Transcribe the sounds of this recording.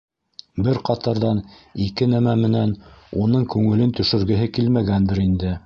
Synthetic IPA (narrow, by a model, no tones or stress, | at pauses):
bɘɾqɑt̪ɤɾðɑnikɘnæmæmɘ̆nænunɤɴkʉŋɘ̆lɘnt̪ɵ̆ʃɵ̆ɾɡɘ̆ɦɘkilmæɡænd̪ɘɾind̪ɘ